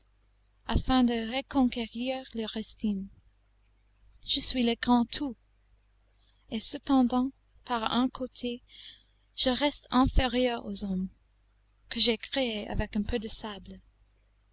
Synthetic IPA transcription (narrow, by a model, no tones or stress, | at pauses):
afɛ̃d̪əʁekɔ̃keʁiʁleʁɛst̪ʰin | ʒ̥əsɥileɡʁɑ̃t̪ʰu | esəpɑ̃d̪ɑ̃ | paʁɛ̰̃kʰot̪ʰe | ʒ̥əʁɛst̪ɛ̃feʁjœʁozɔm | kəʒekʁeea̰vɛkɛ̃pʰød̪əsabl